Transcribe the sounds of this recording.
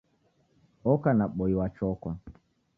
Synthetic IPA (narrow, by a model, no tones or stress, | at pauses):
ɔkanaɓɔiwat͡ʃɔkwa